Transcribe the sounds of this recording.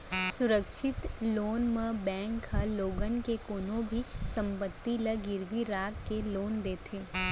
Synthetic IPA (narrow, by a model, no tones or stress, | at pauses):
sʊɾəkʃɪt̪loːnmə̃bɛ̃ːŋkhɐloːɡənkekoːnõbʱisɐ̃mpət̪ːiləɡɪɾʋiɾaːkkeloːnd̪eːt̪ʰeː